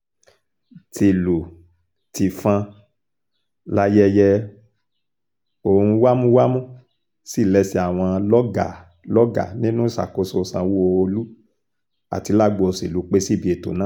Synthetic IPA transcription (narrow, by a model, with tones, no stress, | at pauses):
ti˨lu˨ | ti˨fã˧ | la˧jɛ˧jɛ˧ | o˦˨hũ˧wa˦mũ˦wa˦mũ˦ | si˦˨lɛ˦si˧˦a˨w̃ɔ̃˧lɔ˦ɡa˨ | lɔ˦ɡa̰˦˨nĩ˦nũ˦sa̰˨ko˧so˧˦sã˧wu˦o˧o˧lu˦ | a̰˨ti˨˧˦la˦˨ɡ͡bo˧o˧si˨lu˨˦k͡pe˦si˦˨bi˧˦e˨to̰˨˦nã˦